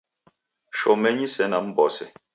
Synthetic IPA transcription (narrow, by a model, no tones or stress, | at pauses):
ʃɔmɛɲisɛnam̩bɔsɛ̰